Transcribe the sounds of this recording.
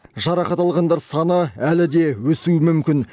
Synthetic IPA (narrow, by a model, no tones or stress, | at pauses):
ʒɑɾɑqɑt̪ɑlˠʁɑnd̪ɑɾsɑnəælɪd̪e̞wɵsuɪmʏmkʲɪn